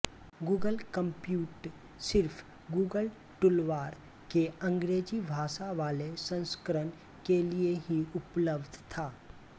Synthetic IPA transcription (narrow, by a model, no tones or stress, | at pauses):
ɡuːɡəlkə̃mpjuːʈ | sɪɾfʰ | ɡuːɡəl | ʈʊlʋaːɾ | keə̃ŋɡɾeːd͡ʒibʱaːʃaʋaːlesə̃nskəɾən | kelieɦiʊpləbd̪t̪ʰaː